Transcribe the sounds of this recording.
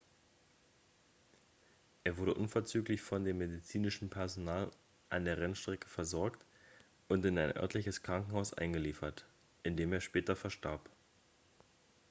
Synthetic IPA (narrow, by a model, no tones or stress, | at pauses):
ʔeːɐvʊɐɾəʔʊnfɛɐt͡syːklɪçfɔndeːmːedit͡siːnɪʃn̩pʰɛɐzonaːl | ʔa̰ndeːɐʁɛnʃtʁ̥ɛkə̥fɛɐzɔɐkt | ʔʊntɪnaɪnʔœ̰ɐtʰlɪçəskʁ̥aŋkŋ̩haʊsʔa̰ɪnɡəliːfɐt | ʔɪndeːmeːɐʃpɛːtɐfɛɐʃtʰa̰ɐp